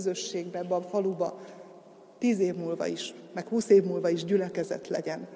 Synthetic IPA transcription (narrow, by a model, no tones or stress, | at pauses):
zø̞ʃːeːɡbɛbɒfɒlubɒ | t̪iːzeːvmuːlvɒ̰iʃmɛkhuːseːvmuːlvɒiʒɟylɛkɛzɛ̰t̪lɛ̰ɟɛn